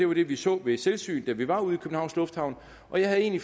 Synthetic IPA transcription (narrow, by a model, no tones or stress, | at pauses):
e̝ʋɑ̈ɾ̥e̝ʋisɔ̰ːʋe̝selsy̰ːnd̥æʋiʋɑ̈uð̞̩ˠikʰø̥n̩hɑ̈ʊslɔ̽fd̥hɑ̈ʊn | ʔɒ̽jɑ̈ɪhæðˠe̝̰ːnli